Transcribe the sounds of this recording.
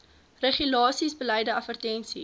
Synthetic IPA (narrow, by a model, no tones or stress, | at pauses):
rəχylɑːsisbəlɛjdəɐfərtɛnsi